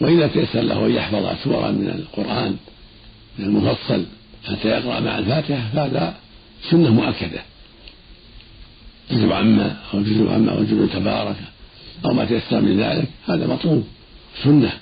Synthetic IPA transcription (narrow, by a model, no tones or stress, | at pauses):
waʔɪðat̪ajasːɑɾˤla̰hʔajjɑħfɑðˤhɑ̰suːɾˤɑ̰mɪnɪ̰lqʊɾʔɑːn | mɪnalmʊfɑsˤːɑl | ħat̪ːaːjɑqɾɑ̰ʔma̰ʕalfaːt̪ɪħafahaːða | sʊnːamʊʔakːad̪a | tʊzʊbʕamːaʔawd͡ʒʊzʊbʕa̰mːa̰ʔwd͡ʒʊbt̪abɑːɾˤɑka | ʔawmaːt̪ajasːɑɾˤmɪnða̰ːlɪkhaːðamɑt̪ˤluːb | sʊnːa